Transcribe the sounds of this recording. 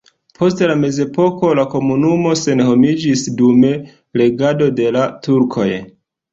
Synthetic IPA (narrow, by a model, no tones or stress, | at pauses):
pʰo̞stlame̞ze̞po̞ko̞lako̞munumo̞se̞nho̞mid͡ʒisdume̞ | le̞ɡado̞de̞latuɾkʰo̞̰j